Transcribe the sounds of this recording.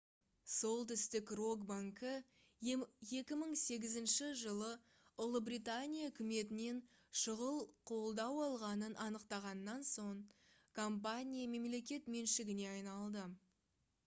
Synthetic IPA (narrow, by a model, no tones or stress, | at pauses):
so̞lˠt̪ʏst̪ɪkro̞ɡbaŋkə | je̞kʲɪməɴse̞ɡʲɪzɪnʃɪʒəlˠə | ʊlˠəbrijt̪anʲijaʏkʲɪme̞t̪ɪne̞nʃəʁəlˠqʰo̞lˠd̪ɑwɑlˠʁɑnənʔɑnəqt̪ɑʁɑnːɑnso̞ɴ | kʰo̞mp̬anʲijame̞mle̞kʲe̞t̪me̞nʃɪɡʲɪne̞ɑjnɑlˠd̪ə